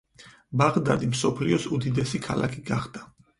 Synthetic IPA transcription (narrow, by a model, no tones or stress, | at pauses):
baʁd̪ad̪imsɔpʰliɔsud̪id̪ɛsikʰa̰la̰kʰiɡaχd̪a